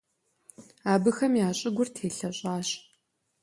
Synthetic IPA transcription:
aːbɨxɐmjaːɕʼɪɡʷʊrtʰeːɬɐɕʼaːɕ

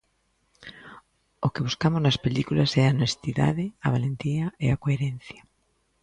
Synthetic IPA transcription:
okeβ̞uskamoznaspelikulasɛanest̪iða̰ðeaβ̞alẽnt̪iaeakoeɾẽn̟θja

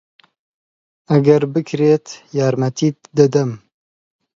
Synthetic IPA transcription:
ɐɡɐɾbɨkʰɾeːt̪jaːɾmɐt̪iːt̪d̪ɨd̪ɐm

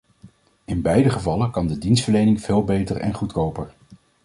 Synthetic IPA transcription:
ɪnbɛjdəχəvɑləkɑndədinstfəɹlejnɪŋv̥eːlˠbejtərɛ̰nχutkowpəɹ

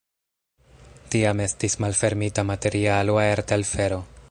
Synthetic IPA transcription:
tiame̞stismalfe̞ɾmitamate̞ɾialoaeɾtelfe̞ɾo̞

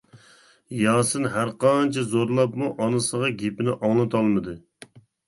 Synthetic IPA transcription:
jɑːsɨnɦæɾqɑnt͡ʃʰɛzoɾlˠɑpmuʔɑnɨsəʁɑɡʲepɪnɪʔɑŋlˠɨt̪ʰɑlˠmɨd̪ɨ

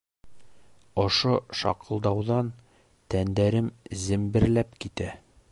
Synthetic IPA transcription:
ŏʃoʃɑ̰qɤ̆lˠd̪ɑwðɑn | t̪ænd̪æɾɘmzɘ̆mbɘ̆ɾlæpkit̪æ

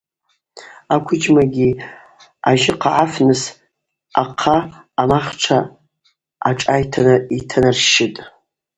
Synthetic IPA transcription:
akʷʰʊd͡ʒʼmaɡʲi | aʒɪqʰaʕafnɨs | aqʰaː | maχʈ͡ʂʰa | aʈ͡ʂʼajtʰanɨitʰanɨrʃɪtʼ

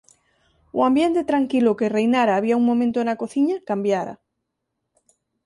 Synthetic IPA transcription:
uambjent̪et̪ɾaŋkilʊkerejnaɾaːβ̞iauŋmõmẽnt̪oenakoθiɲakambjaɾa̰

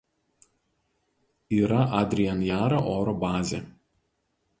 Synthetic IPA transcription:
iːɾɐʔɐd̪ʲɾʲijɛnjæːɾoʔoːɾɔbɑːzʲeː

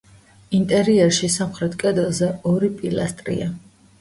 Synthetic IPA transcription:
int̪ʼɛɾiɛɾʃisamχɾɛt̪ʰkʼɛd̪ɛlˠzɛɔɾipʼilˠa̰st̪ʼɾḭa

